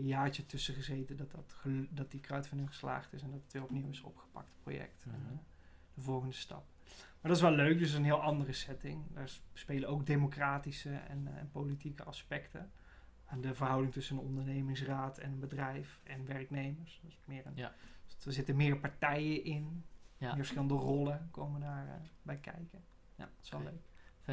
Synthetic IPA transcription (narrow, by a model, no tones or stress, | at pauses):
jaːɹt͡ʃətɵsəχəzejtədɑttdɑt̚dikrœɥtfənɪŋχə̥sla̰ːχtɪsɛndɑtətʋɪlɔp̚niwɪsɔ̰pχə̥pɑ̰k̚tpro̰jɛ̰k̚tɛn | dəvɔlˠχəndəstɑ̰p̚ | maːdɑtɪsʋɛlˠløɥk̚døs̬ənɦɪːlˠʔɑndərəsɛtɪŋdaːɹspejləowk̚demokraːtisəɛ̰nɛ̰npolitikə̰ʔɑspɛktə̰ | adəvərɦɑwdɪŋtɵsənənɔndəɹnejmɪŋs̬raːtʰɛnənbədrɛjfɛnʋɛrknejməɹssmɪːrənaɹzɪtəmɪːɹpaɹtɛjəʔɪnɪːɹfəsχxɪləndərɔlˠəkowməndaːɹbɛjkʰɛ̰jkə | tɪ̥sʋɛlløɥk